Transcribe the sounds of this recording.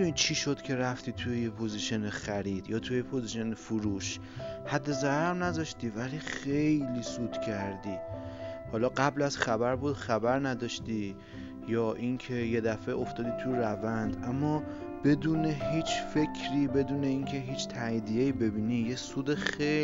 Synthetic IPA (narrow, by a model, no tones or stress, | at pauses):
nit͡ʃʰiʃo̞d̪̥cʰe̞ɾæft̪iːt̪ʰujejepʰoziʃenexæɾiːd̪̥jɒːt̪ʰujepʰoziʃe̞nefuɾuːʃ | hæd̪ːe̞zæɾɾɾnæzɒʃt̪ivæliːxe̞jliːsuːd̪̥cʰæɾd̪iːhɒːlɒːɢæblæz̥χæbæɾbuːd̪̥xæbæɾnæd̪ɒʃt̪i | jɒːʔinkʰe̞je̞d̪æfe̞ʔoft̪ɒːd̪iːt̪ʰujɾævænd̪ʔæmːɒː | b̥e̞d̪uːne̞ɦiːt͡ʃʰfe̞kʰɾiːbe̞d̪uːne̞inkʰe̞ɦiːt͡ʃʰt̪ʰæjid̪ijeiːbe̞biːnije̞suːd̪exe